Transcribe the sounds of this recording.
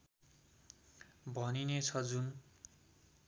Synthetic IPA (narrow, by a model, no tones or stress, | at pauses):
bʱʌninet͡sʰʌd͡zun